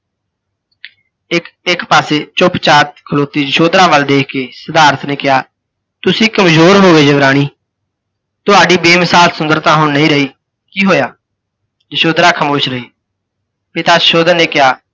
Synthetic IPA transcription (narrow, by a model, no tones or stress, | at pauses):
ɪkɪkpaːseːt͡ʃʊpt͡ʃaːt̪̚kʰəloːt̪iːd͡ʒəʃoːd̪ɾaːʋəld̪eːkʰkeːsəd̪aːɾət̪neːkɪjaː | t̪ʊsĩːkəmzoːɾɦoːʋeːd͡ʒəbɾaːɽ̃iː | t̪ʊɦaːɖiːbeːmɪsaːlsʊnd̪əɾt̪ãːɦʊɳnəĩːɾəiː | kiːɦoːjaː | d͡ʒəʃoːd̪ɾaːkʰəmoːʃɾəɦiː | pɪt̪aːd͡ʒəʃoːd̪əɾneːkɪjaː